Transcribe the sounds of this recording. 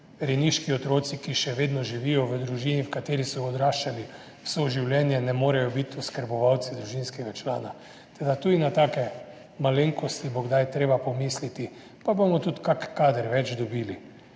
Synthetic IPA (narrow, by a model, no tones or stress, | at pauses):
ɾɛniʃkiɔt̪ɾoːt̪sikiʃɛʋeːd̪nɔʒiʋijɔʋəd̪ɾuʒiːniwkat̪eːɾisɔɡɔd̪ɾaːʃt͡ʃali | wsoʒiwljɛːnjɛnɛmoːɾɛjɔbit̪ɔskəɾbɔʋawt̪sid̪ɾuʒinskɛɡat͡ʃlaːna | t̪ɛd̪at̪ud̪inat̪aːkɛ | maleŋkɔst̪iboɡd̪ajt̪ɾeːbapɔmislit̪i | pabomɔt̪ut̪kakkaːd̪əɾʋɛt͡ʃd̪ɔbiːli